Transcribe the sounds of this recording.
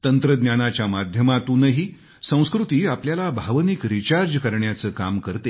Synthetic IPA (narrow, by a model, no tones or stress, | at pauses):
t̪ənt̪ɾəd̪njanat͡ɕjamad̪ʱjəmat̪uːnəɦiː | sə̃w̃skɾut̪iːapljalabʱaʋnikɾit͡ɕaɾd͡ʑkəɾɳjat͡səːkamkəɾt̪e